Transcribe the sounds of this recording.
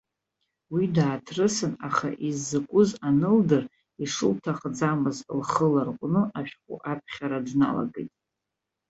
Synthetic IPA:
widaːtʰrɨsɨnaχa̰ʔizːɨkʷʼʊzanɨldɨr | iʂɨ̰ltʰaχd͡zamɨzlχəlarqʷʼnɨʔaʃᶣqʷʼʊ̰ʔapʰχʲaɾadna̰la̰ɡḛjtʼ

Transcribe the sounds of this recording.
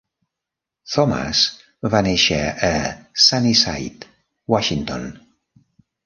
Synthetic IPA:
θɔma̰s | vaneʃə̰əsanisa̰jt̪ | waʃint̪o̰n

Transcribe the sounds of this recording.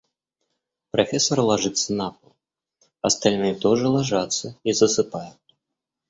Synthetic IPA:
pɾafʲɛsɐɾlˠaʐɨt̪sːɐnapɐlˠ | ɐst̪alʲnɨjɛt̪ɔʐɨlˠaʐat̪sːɐizɐsɨpajɛ

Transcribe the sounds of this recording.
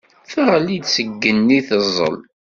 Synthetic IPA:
fəʁəlid̪səɡːənːiθəzˤːə̰l

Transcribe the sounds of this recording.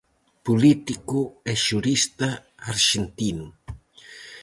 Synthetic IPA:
pulit̪ikuɛʃuɾist̪ɐaɾʃent̪inu

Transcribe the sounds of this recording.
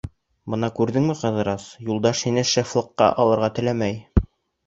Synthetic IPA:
bɤ̆nɑkʉɾðɘŋmɘqɑ̆ðɤ̆ɾɑsjulˠd̪ɑʃhinɘʃĕflˠɤ̆qːɑ̰ʔɑlˠɤ̆ɾʁɑt̪ɘ̆læmæj

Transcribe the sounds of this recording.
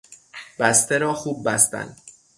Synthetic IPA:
b̥æst̪ʰeɾɒːxuːb̚ːæst̪æ̰nd̪

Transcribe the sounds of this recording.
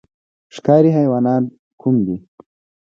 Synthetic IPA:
ʂkɑːɾiɦajwɑːnɑːn | kʰumd̪i

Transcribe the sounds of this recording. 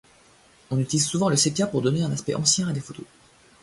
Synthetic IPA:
ɔ̃nyt̪ilizsuvɑ̃ləsepjapuʁd̪ɔneɛ̃naspɛ̰ʔɑ̰̃sjɛ̃ad̪efot̪ʰo

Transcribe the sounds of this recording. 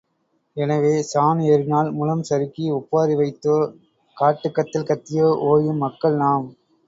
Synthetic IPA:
ɛnɐʋeːsaːnɐɾɪnaːlmʊlɐmsɐɾɯkːiʊpːaːɾiʋɐɪt̪ːoː | kaːʈːɯkːɐt̪ːɪlkɐt̪ːɪjoːʔoːjɯmːɐkːɐɭnaːm

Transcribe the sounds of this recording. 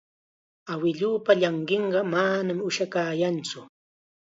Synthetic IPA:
awɪʎuːpaʎɑɴɢeɴɢɑmanamʊʃakaːjant͡sʊ

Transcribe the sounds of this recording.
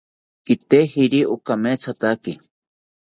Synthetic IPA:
kit̪ehiɾiʔukamet͡sʰat̪aki

